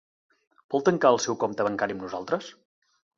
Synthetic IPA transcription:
bɔlˠt̪əŋkaəlˠsɛwkomt̪əβəŋkaɾiəmnuzalˠt̪ɾəs

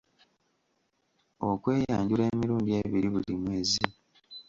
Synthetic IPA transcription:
okwe̞ːjaːɲɟule̞ːmiɾuːɲɟie̞ːβiɾiβulimwe̞ːzi

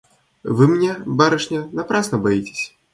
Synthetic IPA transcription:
vɨmnʲɛbaɾɨʂnʲɐnapɾasnɐbajit͡sʲɪ̥sʲ

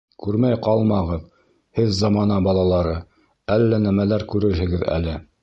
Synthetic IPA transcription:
kʉɾmæjqɑlˠmɑʁɤð | hɘðzɑmɑnɑbɑlˠɑlˠɑɾɤ | ælːænæmælæɾkʉɾɘɾɦɘ̆ɡɘðæ̰lɘ

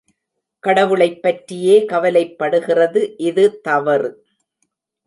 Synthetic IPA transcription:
kɐɽɐʋɯɭɐɪpːɐʈrɪjeːkɐʋɐlɐɪpːɐɽɯɣɪrɐðɯʔɪðɯt̪ɐʋɐɾ

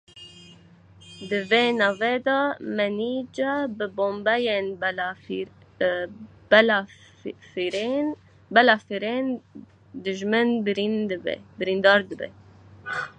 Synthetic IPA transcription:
d̪ɨveːnɑːved̪ɑmɛniːd͡ʒɑbɨboːmbɛjen | fɾe | bɛlɑfɾen | d̪ɨʒmɨnbɾind̪bɛ̰bɨɾind̪ɑːɾd̪ɨbɛ̰

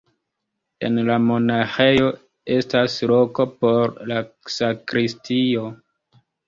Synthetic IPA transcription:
e̞̰nlamo̞naxe̞jo̞ | e̞staslo̞ko̞po̞ɾlasakɾistio̞

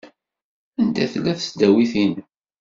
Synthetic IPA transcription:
ænd̪æθlːæθsd̪æwiθin

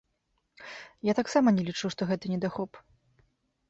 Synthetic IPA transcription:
jat̪aksamɐnʲɛlʲit͡ʂuwʂt̪ɔɣɛt̪ɨnʲɛd̪axɔp

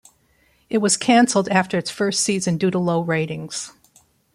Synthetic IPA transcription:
ʔɨt̚wʌz̥kʰæ̃nsl̩ˠdæftə˞ɨtsfɜ˞stsizɨ̃ndʉɾəloʊɹeɪɾɪ̃ŋz̥

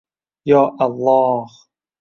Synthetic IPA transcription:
jaːʔɑlˤːɑːh

